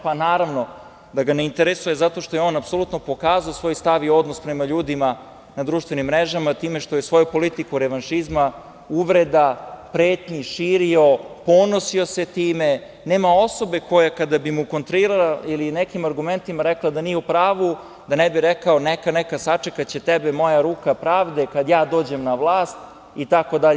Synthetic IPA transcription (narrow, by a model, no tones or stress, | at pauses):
panaːɾaʋno̞ | d̪aɡaneint̪eɾesujezat̪o̞ʃt̪o̞jeo̞ːnapso̞lut̪no̞po̞kaːzaosʋo̞jst̪aʋio̞d̪nospɾemaʎuːd̪ima | nad̪ɾuːʃt̪ʋe̞nimːɾeʒamat̪iːmeʃt̪o̞jesʋo̞jupo̞lit̪ikuɾeʋanʃizma | uʋɾed̪apɾeːt̪ɲiʃiːɾio̞po̞nosio̞set̪iːme | neːmao̞so̞be̞ko̞jakad̪abimukont̪ɾoiɾalailinekimaɾɡume̞nt̪imaɾeklˠad̪anijeupɾaːʋu | d̪anebiɾekaonekanekasat͡ʂekat͡ɕe̞t̪ebemo̞jaɾuːkapɾaːʋd̪ekad̪jaːd̪o̞ːd͡ʑe̞mnaʋlˠaːst̪ | it̪ako̞d̪aʎe